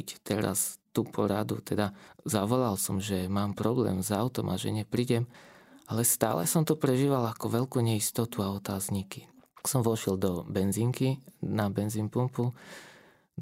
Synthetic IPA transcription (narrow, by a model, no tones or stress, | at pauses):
ct̪ɛɾa̰st̪upʰɔɾad̪ṵt̪ɛd̪azaʋɔlalsɔmʒɛmaːmpɾɔblɛ̰ːmzaʊt̪ɔmʔaʒɛ̰ɲɛpɾiːɟɛmalɛst̪a̰ːlɛ̰sɔmt̪upɾɛʒiːʋalakɔʋɛʎkuːɲɛist̪ɔt̪uaɔt̪aːzɲiki̥sɔmʋɔʃɛld̪ɔbɛnziŋkinabɛnziːnpumpu